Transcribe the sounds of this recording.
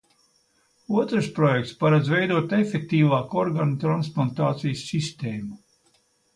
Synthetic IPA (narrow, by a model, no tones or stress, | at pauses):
uɔt̪ɾɨspɾɔjɛk̚t̪spaɾad̪zvɛjd̪uɔt̪efʲek̚t̪iːvaːkɔɾɡanut̪ɾansplˠant̪aːt̪sijsːist̪eːmu